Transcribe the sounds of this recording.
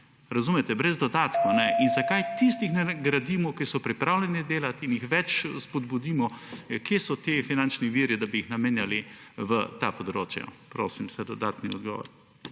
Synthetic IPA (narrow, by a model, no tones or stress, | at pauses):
ɾɐzuːmɛt̪ɛbɾɛzd̪ɔd̪aːt̪kɔanɛinzakajt̪ist̪ixnɛɡɾad̪iːmɔkisɔpɾipɾaːwlʲɛnid̪eːlat̪injixʋɛt͡ʃspɔd̪bud̪iːmɔkjeːsɔt̪efinant͡ʃniʋiːɾid̪abiːxnameːnjaliʋət̪apɔd̪ɾoːt͡ʃja̰pɾoːsimsɛd̪ɔd̪a̰ːt̪niɔ̰d̪ɡɔ̰ːʋɔ̰ɾ